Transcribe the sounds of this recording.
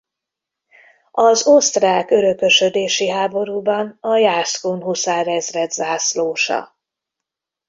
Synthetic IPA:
ɒzost̪raːkø̞ɾø̞kø̞ʃød̪eːʃiɦaːbo̞ɾuːbɒnɒjaːskonɦusaːrɛzrɛt̪zaːsloːʃɒ̰

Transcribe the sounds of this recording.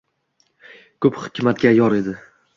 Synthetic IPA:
kʰɵphɪ̥kʲmat̪ɡʲajɒɾe̞d̪ɪ

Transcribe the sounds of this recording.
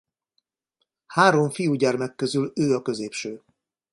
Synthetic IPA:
haːɾo̞ɱfijuɟɛrmɛkːøzyløːɒkø̞zeːpʃøː

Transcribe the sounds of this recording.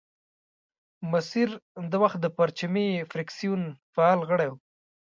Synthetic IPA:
masiɾd̪awaxt̪̚d̪əpaɾt͡ʃamefɾɪksijunfaɑlɣəɽaw

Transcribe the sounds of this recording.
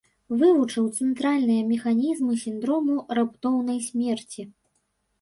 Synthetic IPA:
vɨvut͡ʂɨwt̪sɛnt̪ɾalʲnɨjɐmʲɛxanʲizmɨsʲind̪ɾɔmurapt̪ɔwnɐjsʲmʲɛrt͡sʲi

